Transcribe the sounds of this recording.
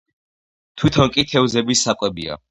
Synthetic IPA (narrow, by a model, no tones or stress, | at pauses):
t̪ʰwit̪ʰɔnkʼit̪ʰɛvzɛbisːakʼwɛbḭa̰